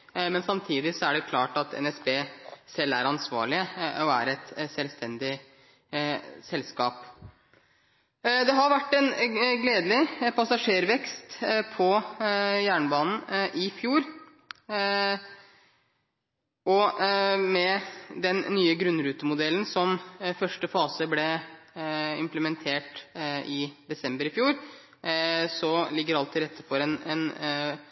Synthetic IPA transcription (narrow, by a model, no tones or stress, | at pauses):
mɛnsɑmt̪ʰiːd̪ɪsɔæɖɛkʰlɑːʈɑt̪ʰɛ̰nɛsbeːsɛlːæɾɑnsʋɑ̰ːɭɪəɔæ̰ɾɛt̪sɛlst̪ʰɛnd̪ɪ | sɛlskɑːp | d̪ɛɦɑɾʋæʈːɛnɡleːd̪lɪpʰɑsɑʂeːɾʋɛkst̪pʰɔjæːɳəbɑːnn̩ʔɪfjuːɾ | ʔɔ | mɛd̪ɛnːyːəɡɾʉnɾʉːt̪əmʊd̪ɛlənsɔmfœʂʈəfɑːsəblɛ | ɪmpləmɛnt̪ʰeːʈɪd̪ɛsɛmbəɾɪfjuːɾ | sɔlɪɡːəɾɑlt̪ʰːɪlɾɛt̪ʰːəɾfɔɾɛnɛn